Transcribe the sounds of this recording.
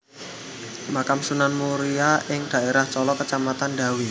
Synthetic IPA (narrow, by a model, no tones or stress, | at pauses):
makamsunanmuɾiaʔɪŋd̥a̤eɾaht͡ʃɔlɔkət͡ʃamat̪anda̤wi